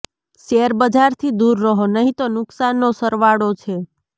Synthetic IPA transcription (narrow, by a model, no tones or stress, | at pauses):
ʃeɾbəd͡ʒaɾt̪ʰid̪uɾːəɦonəɦĩt̪onʊksanːosəɾʋaɽot͡ʃʰe